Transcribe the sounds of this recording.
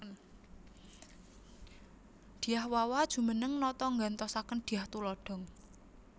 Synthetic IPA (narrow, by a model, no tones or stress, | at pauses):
n | d̪̥i̤jahwawad̥ʒ̥ṳmənəŋnɔt̪ɔŋɡant̪ɔsakənd̪̥i̤jaht̪ulɔɖ̥ɔ̤ŋ